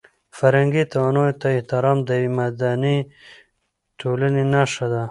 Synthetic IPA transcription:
faɾhaŋɡit̪awanojt̪aɪht̪ɪɾɑːmd̪əjwemad̪ani | tʰolənenaʂad̪a

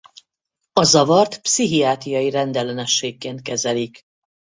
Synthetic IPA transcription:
ɒzɒvɒrt̪psiɦijaːt̪ijɒjiɾɛnd̪ɛlɛnɛʃːeːkːeːnt̪̚kɛzɛlik

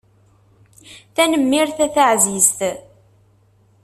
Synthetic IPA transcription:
θænəmːɪɾθæθaʕzizt̪

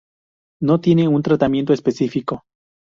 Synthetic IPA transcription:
no̞t̪je̞neunt̪ɾat̪amjent̪oespesifiko̞

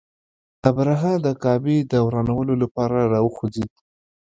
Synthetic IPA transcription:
abɾaɦɑd̪əkɑbed̪əwɾɑnawəlolapɑɾaɾɑwəxod͡zid̪

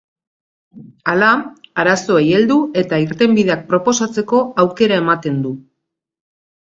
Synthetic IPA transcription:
alaaɾaso̞eje̞ld̪ue̞t̪aiɾt̪e̞mbiðe̞ak̚pɾo̞po̞sat͡se̞ko̞awke̞ɾae̞mat̪e̞nd̪u

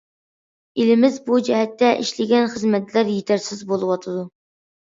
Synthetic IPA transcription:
elɪmɪzbud͡ʒɛɦɛt̪ːɛʔiʃlɪɡʲɛnχəzmɛt̪læɾjet̪ʰæɾsɪzbolˠɨwɑt̪ʰɨd̪u

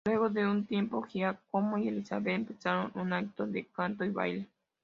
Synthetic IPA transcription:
lweɣod̪eunt̪jempohiakomojelisaβempesaɾonunait̪od̪ekant̪oiβa̰jle

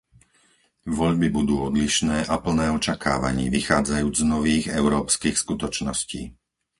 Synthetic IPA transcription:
ʋɔʎbibud̪uːɔd̪liʃnɛːʔapl̩nɛːɔt͡ʃakʰa̰ːʋa̰ɲḭːʋixaːd͡zajuːd͡zznɔʋiːɣɛʊɾɔːpskiːxskut̪ɔt͡ʃnɔscḭː

